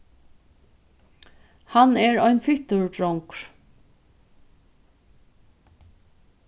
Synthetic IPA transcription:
hanɛɹɔjnfɪht̪ʊɹdɹɔŋkɹ̥

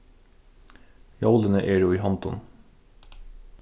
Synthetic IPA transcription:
jɑʊlənəʔeːɾuːiːhɑnt̪ɔn

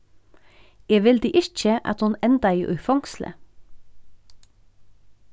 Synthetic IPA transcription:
eːʋɪld̪iːʔɪc͡çəʔɑ̰t̪hʊnɛnd̪ɑiːʔʉ̰fɑŋslə̰

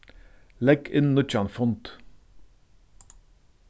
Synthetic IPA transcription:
lɛkʰɪnnʊt͡ʃɑnfʊnt̪

